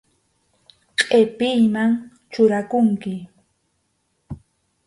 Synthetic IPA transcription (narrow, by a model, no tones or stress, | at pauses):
qʼepɪjmaŋ | t͡ʃʊɾakʊŋkɪ